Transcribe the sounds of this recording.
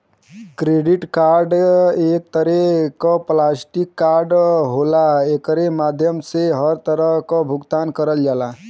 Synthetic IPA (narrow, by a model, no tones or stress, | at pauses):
kɾeːɖɪʈkaːɾɖeːk̚t̪əɾɛkɔplaːsʈikːaːɾɖɦolaeːkəɾemaːd̪ʱjəmseɦəɾt̪əɾəɦkɔbʱʊɡt̪aːnkəɾəld͡ʒaːla